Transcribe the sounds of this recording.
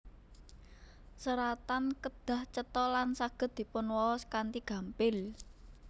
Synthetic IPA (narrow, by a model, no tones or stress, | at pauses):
səɾat̪ankəd̪̥a̤ht͡ʃət̪ɔlansaɡ̥ə̤t̪̚d̪̥i̤pʊnwɔskant̪iɡ̥ä̤mpɪl